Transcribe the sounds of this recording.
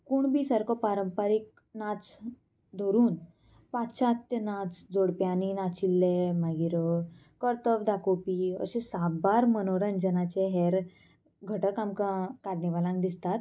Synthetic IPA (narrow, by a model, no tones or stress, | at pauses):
kuɳbʱiːsəɾkɔpaɾəmpaɾik̚ | nat͡s | d̪ʱoɾuːn | patɕat̪jənat͡sd͡zoɽpjaninat͡ɕilːemaɡiɾə | kəɾt̪əʋd̪akopiə̰ɕẽsabbaɾmənoɾənd͡ʑənat͡ɕeɦɛɾ | ɡʱəʈəkamkakaɾniʋalãŋkd̪ist̪at̪